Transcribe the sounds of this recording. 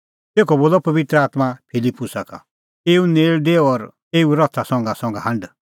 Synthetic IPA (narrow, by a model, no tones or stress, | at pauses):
t̪eːkʰɔboːlɔpɐbɪt̪ɾəaːt̪mapʰɪlipːʊsaka̰ | eːuneːɭd̪eːɔɾ | eːuɾɔt̪ʰasɔ̃ŋɡasɔ̃ŋɡaɦɐ̃ɳɖ